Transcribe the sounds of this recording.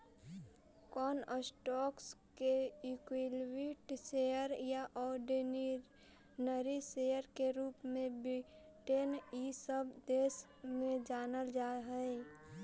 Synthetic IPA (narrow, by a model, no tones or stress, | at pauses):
kɔːnəsʈɔːkskeikwilwiʈsejəɾjaʔɔːɖeni | nəɾisejəɾkeɾuːpmẽbi | ʈenisəbd̪eːs | mẽd͡ʒaːnəld͡ʒaːɦɛe